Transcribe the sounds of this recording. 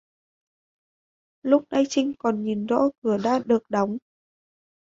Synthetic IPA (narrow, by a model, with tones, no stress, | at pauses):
lʊ˦˥k͡p̚na˧jt͡ɕï˧ŋ̟kɔ˨˩nɲi˨˩nzɔ̰˧˥kɨ˧˩əɗa̰ː˧˥ɗɨ˨˩ək̚ɗa˨˦wŋ͡m